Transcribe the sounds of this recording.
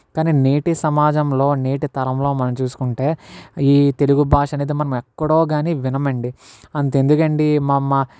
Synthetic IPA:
kaːniːneːʈisɐmaːd͡ʒɐmlo̞ːne̞ːʈit̪ɐɾɐmlo̞ːmɐnɐmt͡ʃuːsu̥kuɳʈe̞ːiːt̪e̞luɡubʱaːʂɐneːd̪imɐnɐmɛkːɐɽo̞ːɡaːniʋinɐmɐɳɖiɐnt̪end̪ukɐɳɖimɐmːɐ

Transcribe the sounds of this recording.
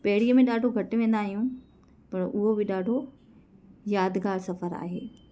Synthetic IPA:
pɐɦɪɽiəmẽɗaːɖʱoɡʱɐʈʋẽːnd̪aːɦijũ | pɐɾʊɦobɪɗaːɖʱo | jaːd̪ɡaːlsɐfəɾa̰ːɦeː

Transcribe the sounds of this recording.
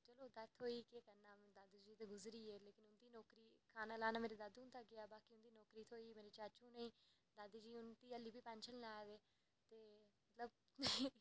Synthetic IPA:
t͡ʃəloːd̪ət̪ʰɦoːiːkeːkənaːd̪aːd̪d͡ʒiːt̪eːɡʊzɾiːeːleːkɪnʊnd̪iːnɔːkɾiːkʰaːnaːlaːnaːmeːɾeːd̪ad̪ũnt̪aːɡɪaːbaːkiːʊnd̪iːnɔːkɾiːt̪ʰoːiːmeːɾeːt͡ʃat͡ʃũːnəĩː | d̪aːd̪iːd͡ʒiːʊnt̪iːəliːbiːpɛ̃nt͡ʃʰəlnaːd̪eː | t̪eːmət̪ləb̚

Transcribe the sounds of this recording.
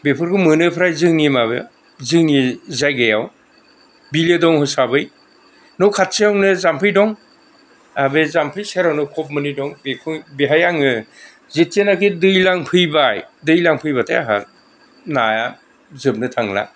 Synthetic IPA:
bepʰɯɾkʰɯmɯnɯpʰɾajzɯŋimaβɯ̰ | zɯŋizajɡajaw | biledɔŋhɯsabɯj | nɔwkʰat̚seawnɯzampʰɯjdɔŋ | abezampʰɯjseɾawnɯkʰɔp̚mɯnidɔŋbepʰɯŋbeɦajaŋɯ | zet̚enakidɯjlaŋpʰɯjbajdɯjlaŋpʰɯjbatʰajaɦa̰ | naja | zɯb̚nɯtʰaŋla̰

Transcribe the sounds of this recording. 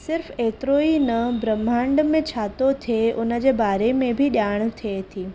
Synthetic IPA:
sɪɾfeːt̪ɾoːinəbɾəmãɳɖmẽt͡ɕʰaːt̪ot̪ʰeʊnəd͡ʑeːbaːɾemẽbʱiɗjaːɽ̃t̪ʰiet̪ʰiː

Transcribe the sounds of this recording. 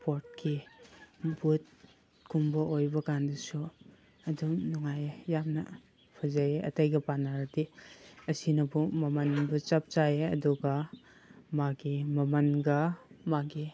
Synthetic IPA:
poɾt̚ki | but̚ | kumbɐʔojbɐkandɐsu | ɐdumnuŋajjamnɐ̰ | pʰɐzajeʔɐ̰tɐjɡɐpanaɾatiɐsinɐbumɐmɐnbut͡ʃap̚t͡ʃaeɐ̰duɡɐ | maɡimɐmɐnɡɐmaɡi

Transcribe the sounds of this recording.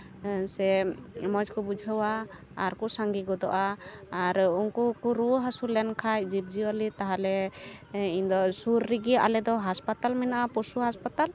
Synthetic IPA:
sɛmɔd͡ʒkɔbud͡ʒʱəwa | aɾkɔsaŋɡiɡɔd̪ɔʔaːɾuŋkukuɾuɦasulɛnkʰaj̚d͡ʒib̚d͡ʒiwalit̪aɦalɛ | iɲd̪ɔsuɾːiɡiaʔalɛd̪ɔɦaspat̪almɛnaʔapɔsuhaspat̪al

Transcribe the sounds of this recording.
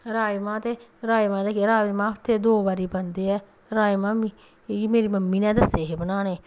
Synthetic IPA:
ɾaːimãːt̪eɾaːjimãːd̪ekeɾaːmãːpt̪ed̪oːbaɾibɐnd̪eɛ | ɾaːjimãːmi | meːɾimɐmːinɛːd̪ɐseɦebənaːne

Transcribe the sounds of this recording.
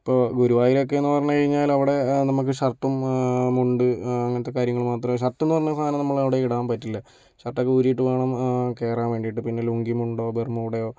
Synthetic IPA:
ipːo̞ːɡuɾuʋaːjiɾok̬ːeenːɨpɐrɐɲːɐkɐɻiɲːaːlɐʋiɽe̞nɐmuk̬ːɨɕɐrʈːɐmːuɳɖɨɐŋːɐnt̪ːekːaːɾjɐŋːɐɭmaːt̪rɐmoɕ̬ɐrʈːenːɨpɐrɐɲːɐst̪aːnɐnɐmːɐɭɐʋiɽeiɽaːmpɐtːilːɐ | ɕɐrʈːokːeuɾijiʈːɨʋeːɳɐmke̞ːraːnʋeːɳɖiʈːɨpinːe̞luŋɡimuɳɖo̞ːbermuʋɽejo̞ː

